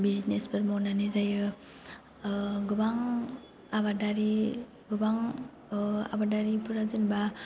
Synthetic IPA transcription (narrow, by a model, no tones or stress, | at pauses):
biznesbɯɾmonanizajɯ | ɡubaŋ | aβadaɾi | ɡubaŋ | a̰badaɾipʰuɾazɯnba